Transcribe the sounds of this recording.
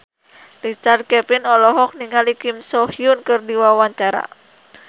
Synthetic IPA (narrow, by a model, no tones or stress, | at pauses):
lit͡ʃart̪̚kɛpinɔlɔɦɔk̚niŋalikimsɔhiunkɨrdiwawaɲt͡ʃaɾa̰